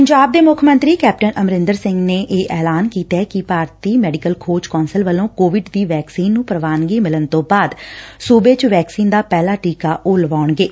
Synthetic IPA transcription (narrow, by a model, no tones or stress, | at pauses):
pəɲd͡ʒaːb̚d̪eːmʊkʰmə̃nt̪ɾiːkɛːp̚ʈənʔəmɾɪnd̪əɾsɪ̃ŋɡneːʔeːʔɛːlaːnkiːt̪ɛːkɪpaːɾt̪iːmɛːɖɪkəlkʰoːɾd͡ʒkɔːnsəlʋəlõːkoːʋɪɖd̪iːʋɛːksiːnːũːpəɾəʋaːnɡiːmɪlənt̪õːbaːd̪suːbeːt͡ʃʋɛːksiːnd̪aːpɛːlaːʈiːkaːʔʊːlʋaːɳɡeː